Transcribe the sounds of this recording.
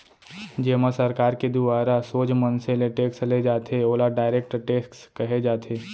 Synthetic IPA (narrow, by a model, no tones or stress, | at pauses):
d͡ʒeːmasɐɾkaːɾked̪ʊaːɾasoːd͡ʒmənseleʈeːksled͡ʒaːt̪ʰeoːlaɖaːɪɾeːk̚ʈʈeːskskɐɦed͡ʒaːt̪ʰeː